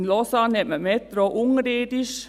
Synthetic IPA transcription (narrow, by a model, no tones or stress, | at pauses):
nlɔsɑnɛməmet̪ɾoʔʊŋɾeːd̪ɪʃ